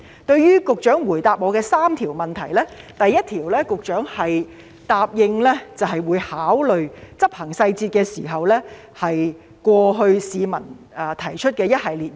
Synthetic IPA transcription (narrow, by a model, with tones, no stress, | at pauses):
t̪ɵ˧ɥɥyː˥kʊ˨k̚t͡ʃœː˨˥ŋwuː˨˩jt̪aː˨p̚mɔː˨˧kɛː˧saː˥mt̪ʰiː˨˩wmɐ˨˩nt̪ʰɐ˨˩jlɛː˥t̪ɐ˨jːɐ˥t̪̚ʰiː˨˩wlɛː˥kʊ˨k̚t͡ʃœː˨˥ŋhɐ˨j | t̪aː˨p̚jɪ˧ŋlɛ˥t͡sɐ˨wɦɐ˨jwuː˨˧˥jhaː˨˥wlɵ˨ɥt͡sɐ˥p̚hɐ˨˩ŋsɐ˧jt͡siː˧t̚kɛː˧siː˨˩ɦɐ˨wlɛ˥ | hɐ˨j | kʷɔː˧ɦɵ˧ɥsiː˨˧mɐ˨˩nː˨ | t̪ʰɐ˨˩jt͡ʃʰɵ˥t̚kɛː˧jɐ˥t̚hɐ˨jliː˨t̚